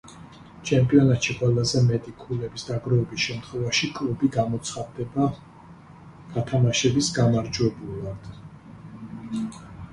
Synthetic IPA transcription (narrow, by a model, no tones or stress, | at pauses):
t͡ʃʰɛmpʼiɔnat̪ʃiqʼwɛlˠazɛmɛt̪ʼikʰulɛbisd̪aɡɾɔɛbisʃɛmt̪ʰχwɛvaʃikʼlˠubiɡamɔt̪sʰχad̪ːɛba | ɡ̥at̪ʰamaʃɛbisɡamaɾd͡ʒwɛbulˠad̪̥